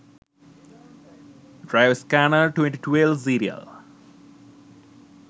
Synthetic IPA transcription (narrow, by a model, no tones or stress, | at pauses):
ɖɾaɪʋskænəʈwẽɳʈiʈʰwelʋsiːɾiə̰l